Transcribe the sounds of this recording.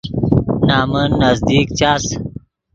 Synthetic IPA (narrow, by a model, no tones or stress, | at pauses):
naːmənːɐzd̪iːk̚t͡ɕaːs